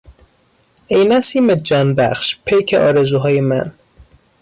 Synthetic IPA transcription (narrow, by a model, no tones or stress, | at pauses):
ejnæsiːmed͡ʒɒːnbæχʃpʰejkʰeʔɒːɾezuːɦɒːjemæ̰n